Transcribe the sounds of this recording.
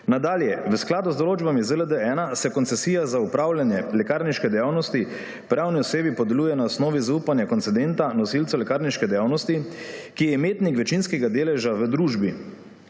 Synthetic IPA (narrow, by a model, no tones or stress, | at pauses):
nad̪aːljɛʋəsklaːd̪uzd̪ɔloːd͡ʒbamizələd̪əɛːnasɛkɔnt̪sɛsiːjazaupɾaːwljanjɛlɛkaːɾniʃkɛd̪ɛjawnɔst̪i | pɾawniɔseːbipɔd̪ɛluːjɛnaɔsnɔːʋizauːpanjakɔntsɛd̪ent̪anɔsilt̪sɔlɛkaɾniʃkɛd̪ɛjawnɔst̪ikijɛmeːt̪nikʋɛt͡ʃinskɛɡad̪eːlɛʒaʋəd̪ɾuːʒbi